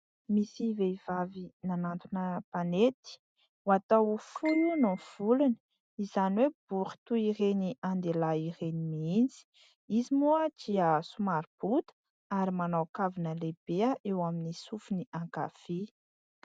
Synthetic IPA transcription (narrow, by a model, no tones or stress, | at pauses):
misiveivavinanant̪unəpanet̪i̥ | wat̪awfulunov̥ulunə | izaniweb̥uχi̥t̪uireniʔand̪elaiɾenimiind͡zi̥ | izimuəd͡ʒiasumaɾib̥ut̪ə̥ | aɾimanawkavinəleb̥eəʔewaminisufuniʔãŋka̰fe